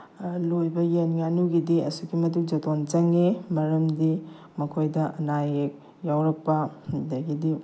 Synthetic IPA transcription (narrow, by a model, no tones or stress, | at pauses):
lojbɐjenŋanuɡidiɐ̰suɡimɐtuk̚d͡ʒɐtont͡ʃɐŋemɐɾɐmdi | mɐkʰojdɐɐ̰najek̚ | jawɾɐk̚pːɐdaɡidi